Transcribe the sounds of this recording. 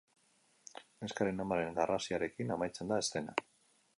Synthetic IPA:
neskaɾenamaɾe̞ŋɡarasiaɾe̞kinamajt͡send̪aest̪e̞na̰

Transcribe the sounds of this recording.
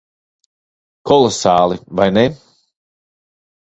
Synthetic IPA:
kʰɔlˠɔsaːlˠivajne

